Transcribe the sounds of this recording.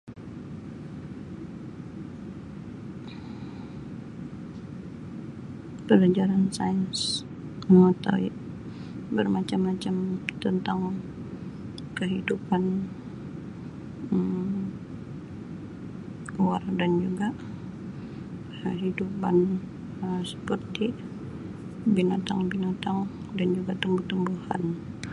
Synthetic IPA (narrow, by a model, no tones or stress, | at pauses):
pəlad͡ʒaɾansajəns | ŋat̪a̰ | bərmat͡ʃamːat͡ʃamt̪ənt̪aŋ | kəɦidupan | əm | uwardand͡ʒuɡa | əɦidupan | əmsə̥pərt̪i | binat̪aŋbinat̪aŋ | dand͡ʒuɡat̪uŋbuht̪umbuha̰n